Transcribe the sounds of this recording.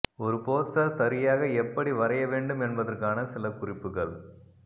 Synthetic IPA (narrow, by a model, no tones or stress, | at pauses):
ɔɾɯpoːsɐɾsɐɾɪjaːɣɐɛpːɐɽiʋɐɾɐjɐʋeːɳɖɯmɛnbɐðɐrkaːnɐsɪlɐkʊrɪpːɯɣɐɭ